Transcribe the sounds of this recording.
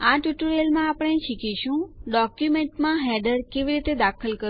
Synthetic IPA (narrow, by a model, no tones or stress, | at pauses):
aʈuʈuɾelmãːpəɳ̃eʃikiʃũɖɔkjumeɳʈmãɦɛɖəɾkeʋiɾit̪ed̪akʰəlkə